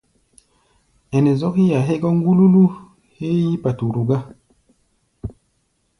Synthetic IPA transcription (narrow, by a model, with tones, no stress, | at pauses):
ɛ˨nɛ˨zɔ˦ki˦ja˨ɦe˦ɡɔ˦ŋ˦ɡu˦lu˦lu˦ | he˦ji˦pa˨tu˨ɾu˨ɡa˦